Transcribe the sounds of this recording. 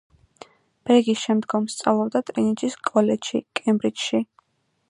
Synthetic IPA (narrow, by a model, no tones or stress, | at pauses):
b̥ɛɾɡisʃɛmd̪ɡɔmst̪sʼa̰vlˠɔbd̪at̪ʼɾinit͡ʃʼiskʼɔlɛd͡ʒʃḭkʼɛmbɾit͡ʃʃi